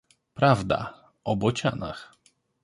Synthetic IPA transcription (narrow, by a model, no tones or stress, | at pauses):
pɾavd̪a̰ | ɔbɔt͡ɕa̰na̰x